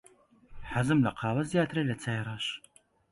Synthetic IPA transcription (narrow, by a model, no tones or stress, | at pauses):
ħazɨmlɐqʰɑːwɐzjaːt̪ʰɨɾelɐt͡sʰajɾˤɑːʃ